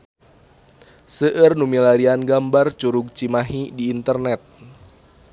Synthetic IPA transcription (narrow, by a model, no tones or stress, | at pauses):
səʔərnumilaɾianɡambart͡ʃuɾuɡ̚t͡ʃimaɦidiːnt̪ərnɛt̪̚